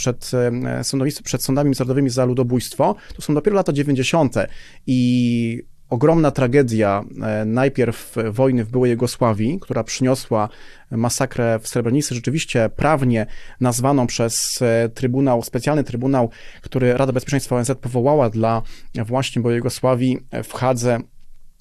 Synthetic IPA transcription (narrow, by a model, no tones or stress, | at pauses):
ʂɛt̪sɔnd̪ɔvispʂɛt̪sɔnd̪amʲimzaɾɔd̪ɔvɘmʲizalud̪ɔbujst̪fɔt̪ɔsɔ̃w̃d̪ɔpʲjɛɾɔlat̪ad͡ʑevʲeɲd͡ʑeɕɔnt̪ɛ | i | ɔɡɾɔmnat̪ɾaɡɛd̪ʲjanajpʲjɛɾfːɔjnɘvbɘwɛjuɡɔswavʲikt̪uɾapʂɘɲɔswa | masakɾɛfsɾɛbɾɛɲit̪sɘʐɛt͡ʂɘvʲiɕt͡ɕɛpɾʔavɲɛnazvanɔ̃w̃pʂɛst̪ɾɘbunawspɛt̪sʲjalnɘt̪ɾɘbunawkt̪uɾɘɾʔad̪abɛspʲjɛt͡ʂɛ̃j̃st̪faɔɛnzɛt̪̚pɔvɔwawad̪lavwaɕɲɛbɔjɛɡɔswavʲjifxad̪zɛ